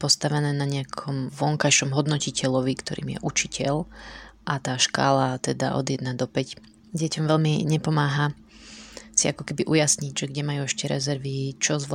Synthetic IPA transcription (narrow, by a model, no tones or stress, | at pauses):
pɔst̪aʋɛnɛːnaɲɛakʰɔmʋɔŋkajʃɔmɦɔd̪nɔcicɛʎɔʋikt̪ɔɾḭːmjɛ̰ʔut͡ʃicɛʎʔat̪aːʃka̰ːlat̪ɛd̪a̰ʔɔ̰d̪jɛd̪nad̪ɔpɛc | ɟɪɛcɔmʋɛʎmiɲɛpɔmaːɦa | siakɔkɛbiʔujasɲiɟʒɛɡɟɛmajuɛʃcɛɾɛ̰zɛɾʋit͡ʃɔzʋ